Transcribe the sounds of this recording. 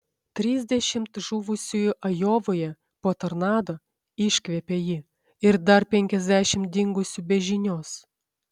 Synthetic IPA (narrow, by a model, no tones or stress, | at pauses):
t̪ʲɾʲiːzʲd̪ʲɛʃʲɪmt̪ʒuːʋʊsʲujʊʔɐjoːʋoːjɛ | poːt̪ɐɾnɑːd̪oː | ɪʃʲkʲʋʲɛpʲejɪ | ɪɾd̪ɐɾpʲɛŋʲkʲɛzʲd̪ʲæʃʲɪm̚d̪ʲɪŋɡʊsʲʊbʲɛʒʲɪnʲoːs